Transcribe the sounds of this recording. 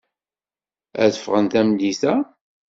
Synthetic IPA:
æ̰ðəfʁənt̪æmliθæ

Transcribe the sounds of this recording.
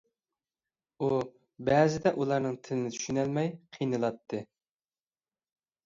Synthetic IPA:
u | bɛːzɪd̪ɛʔulˠɑɾnɨŋt̪ʰɪlɪnɪt̪ʰy̥ʃynælmɛjqʰijnɨlˠɑt̪ʰːɨ

